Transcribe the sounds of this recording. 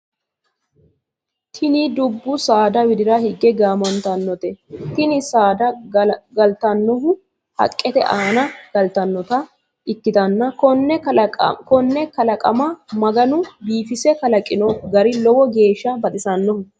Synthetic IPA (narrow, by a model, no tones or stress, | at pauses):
t̪ʰɪnɪd̪ʊbːʊsaːd̪ɐwɪd̪ɪɾɐhɪɡːɛɡaːmɐnt̪ɐnːɔt̪ɛt̪ɪnɪsaːd̪ɐɡɐlt̪ɐnːɔɦʊ | hɐ̰kʼːɛt̪ɛ̰ʔaːnɐɡ̥ɐlt̪ɐnːɔt̪ɐ | ʔɪkːɪt̪ɐnːɐkɔnːɛ̰kɔnːɛkɐlɐkʼɐ̰mɐmɐɡɐnʊbiːfɪsɛkɐlɐkʼːɪnɔɡɐɾɪlɔwɔɡe̞ːʃːɐbɐd̪ɪsɐnːɔhʊ